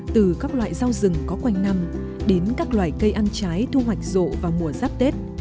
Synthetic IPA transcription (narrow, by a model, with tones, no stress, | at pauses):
t̪ɨ˨˩kaː˦˥k̚lwa̰ː˧˨jza˧wzɨ˨˩ŋkɔ˨˦kwa˧jŋ̟na˧m | ɗe˨˦nkaː˦˥k̚lwa̰ː˧˨˩jkə˧jʔa˧nt͡ɕaː˨˦jt̪ʰu˧ɦwa˨˩jk̟̚zo̰˧˨vaː˨˩wmu˨˩əzaː˦˥p̚t̪e˦˥t̚